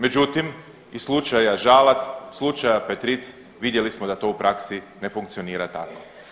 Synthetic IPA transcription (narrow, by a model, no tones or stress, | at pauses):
me̞d͡ʒut̪im | islˠut͡ʃajaʒalat̪sslˠut͡ʃajapet̪ɾit̪s | ʋid̪je̞lismod̪at̪o̞upɾaksi | ne̞fuŋk̚t̪sioniːɾat̪ako